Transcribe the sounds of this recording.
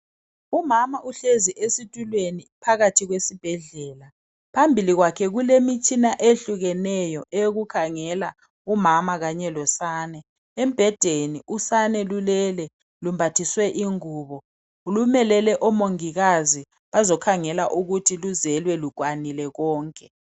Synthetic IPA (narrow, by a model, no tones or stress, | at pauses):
umamaʔuɬeziʔesitʼulwenipʰaɣatʰiɣwesib̥ʱɛɮɛːla | pʰambʱiliɣwakʰɛɣulemit͡ʃʼʰinaʔeɬuɣɛnɛjɔʔeɣukʰaŋɛla | umamaɣaɲɛlɔsaːnɛ | em̩b̥ʱɛd̥ʱeniʔusanɛlulɛlɛ | lumbʱatʰiswɛʔiŋuːβɔ | ulumɛlɛlɛʔɔmoŋiɣazi | βazɔkʰaŋɛla̰ʔuɣutʰiluzɛlwɛlukʼwanilɛɣɔːŋkʼɛ